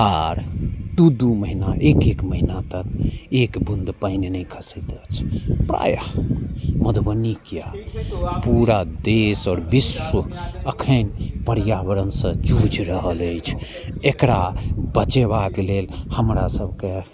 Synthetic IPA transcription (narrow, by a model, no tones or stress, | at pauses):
aɾd̪ud̪uməɦinaʔekekməɦinat̪əkekbund̪paɪnenɛjkʰəsɛt̪ət͡ʃʰpɾa̰ja | məd̪bənikija | puɾad̪esɔːɾbiswəəkʰənpəɾjabəɾənsə̃d͡ʒud͡ʒɾəɦələjt͡ʃʰ | ekɾabət͡ʃeβakelelhəmɾasəbʱke